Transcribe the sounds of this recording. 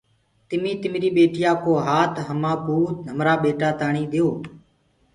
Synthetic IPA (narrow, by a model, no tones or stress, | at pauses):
t̪ɪmĩːt̪ɪmɾiːɓeːʈɪjaːkoːɦaːt̪ʰɦəmãːpuːt̪n̤əmɾaːɓeːʈaːt̪aːɳĩːɗ̪ejoː